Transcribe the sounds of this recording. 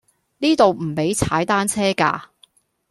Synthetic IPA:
niː˥t̪o˨wm̩˨˩pe˨˥jt͡sʰaː˨˥jt̪aː˥nt͡sʰɛː˥ka̰ː˧

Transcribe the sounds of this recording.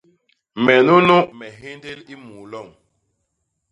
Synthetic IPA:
mɛ˨nu˦nu˦mɛ˨ɦe˦nde˦li˦mu˨lɔ˦˨ŋ

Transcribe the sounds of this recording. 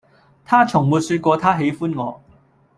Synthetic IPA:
t̪ʰaː˥t͡sʰʊ˨˩ŋmuː˨˧t̚syː˧t̚kʷɔː˧t̪ʰaː˥ɦe˨˥jfuː˥nŋɔː˨˧

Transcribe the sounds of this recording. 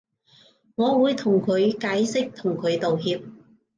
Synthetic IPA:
ŋɔː˨˧wuː˨˧jt̪ʰʊ˨˩ŋkʰɵ˨˧ɥkaː˨˥jsɪ˥k̚t̪ʰʊ˨˩ŋkʰɵ˨˧ɥt̪o˨wɦiː˧p̚

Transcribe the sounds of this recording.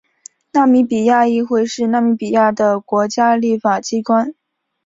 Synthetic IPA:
na˥˩mi˧˥pi˨˩ja˥˧i˥˧xwe˥˧ɪʂɻ̩˥˧na˥˩mi˧˥pi˨˩ja˥˩d̪ə˩kwɔ˧˥t͡ɕja˥li˥˩fa˨˩t͡ɕi˥kwa˥n

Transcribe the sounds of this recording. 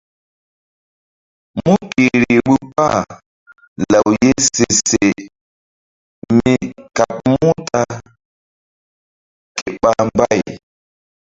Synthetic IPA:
mu˦ki˨ɾi˨ɓu˦pa˦˨ | la˨wje˦se˨se˨ | mi˨ka˨p̚mu˦ta˦ | ke˨ɓa˦mba˦j

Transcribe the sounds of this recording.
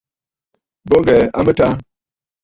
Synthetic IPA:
bo˦ŋɡɛ˨a̰˦mə˦ta˦

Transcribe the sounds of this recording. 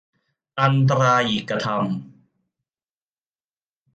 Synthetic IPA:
ʔa˧nt̪̬ɾaː˧ʔiː˨˩kːɾa˧t̪ʰa˧m

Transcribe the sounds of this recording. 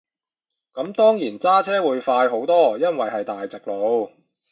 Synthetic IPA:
kɐ˨˥mt̪ɔː˥ŋjiː˨˩nt͡saː˥t͡sʰɛː˥wuː˨˧jfaː˧jɦo˨˥wt̪ɔː˥jɐ˥nwɐ˨jɦɐ˨jt̪aː˨jt͡sɪ˨k̚lo˨˧w

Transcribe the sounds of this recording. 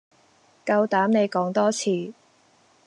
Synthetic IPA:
kɐ˧wt̪aː˨˥mne˨˧jkɔː˨˥ŋt̪ɔː˥t͡sʰiː˨˧

